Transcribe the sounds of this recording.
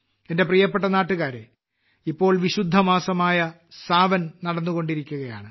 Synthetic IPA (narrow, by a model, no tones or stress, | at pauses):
e̞nde̞prijɐpːeʈːɐnaːʈːuɣaːɾḛ | ipːo̞ːɭʋiɕud̪ʱːɐmaːsɐmaːjɐ | saːʋɐnnɐɽɐnːuɣo̞ɳɖiɾikʲːuɣɐja̰ːɳɨ